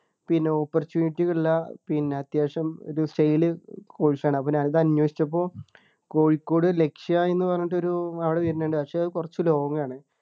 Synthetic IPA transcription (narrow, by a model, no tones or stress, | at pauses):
pinːe̞opːort͡ɕjuːniʈːiɣɐɭilːɐpinːe̞ɐt̪jaːʂɐmo̰ɾusʈejilɨko̞ːɻit͡ɕːaːɳɨɐpːoːɲaːnɐðɨɐnwɐːʂi̥t͡ɕːɐp̬ːo̞ː | ko̞ːɻikːo̞ːɽɨle̞kʂiɐe̞nːɨpɐrɐɲːɐʈ̬ːo̞ɾuɐʋiɽeʋiɐɾnːeːɳɖɨpɐkʂe̞ɐðɨkurɐt͡ɕːɨlo̞ːɡɐŋːɐaːɳɨ